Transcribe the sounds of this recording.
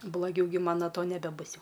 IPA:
blˠoːˈɡʲɛʊ ɡʲɪ ˈmɐn noː ˈtoː nʲɛbʲɛˈbʊs ˈjɛʊ

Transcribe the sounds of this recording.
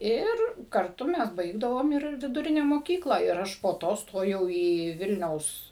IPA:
ˈɪr kɐrˈtʊ ˈmʲɛs ˈbɐɪɡdɐʋoːm ɪr ʋʲɪdʊˈrʲɪnʲɛ moːˈkʲiːklˠɐ ɪr ˈɐʃ poː ˈtoː ˈstoːjɛʊ iː ˈʋʲɪlʲnʲɛʊs

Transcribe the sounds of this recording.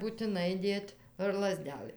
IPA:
buːtʲɪˈnɐɪ ˈdʲeːtʲ ɐr lˠɐˈzʲdʲæːlˠɘ

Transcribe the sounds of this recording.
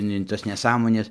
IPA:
nʲɛ ɪn ˈtɐs nʲɛˈsɑːmoːnʲɛs

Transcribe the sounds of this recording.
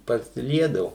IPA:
pɐsʲɪˈlʲiɛdɐʋʊ

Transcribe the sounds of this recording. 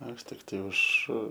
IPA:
ˈɐʃ ˈtʲɪktɐɪ ʊʃ

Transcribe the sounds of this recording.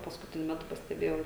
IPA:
pɐskʊˈtʲɪnʲʊ ˈmʲæːtʊ pɐsʲtʲɛˈbʲeːjɛʊ

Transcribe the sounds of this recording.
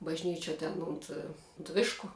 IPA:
bɐʒʲˈnʲiːt͡ʃʲuɔ tʲɛn ˈʊnt ʊnt ˈʋʲɪʃkʊ

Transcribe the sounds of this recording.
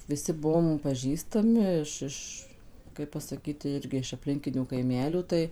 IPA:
ˈʋʲɪˈsʲɪ ˈbuɔm pɐˈʒʲiːstɐmʲɪ ɪʃ ˈɪʃ ˈkɐɪp pɐsɐˈkʲiːt tʲɪ ˈɪrʲɡʲɪ ɪʃ ɐpʲˈlʲɪŋʲkʲɪnʲuː kɐɪˈmʲæːlʲuː ˈtɐɪ

